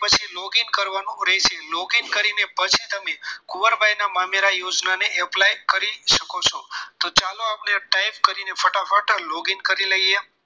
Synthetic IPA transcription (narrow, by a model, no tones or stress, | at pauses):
pət͡ʃʰilɔɡinkəɾʋanũɾɛɦt͡ʃʰelɔɡinkəɾinepət͡ʃʰit̪əmekuʋəɾbʱajnamameɾajod͡ʒnaneʔɛplajkəɾiʃəkot͡ʃʰot̪ot͡ʃaloapneʈajpkəɾinefəʈafaʈʰalɔɡinkəɾiləie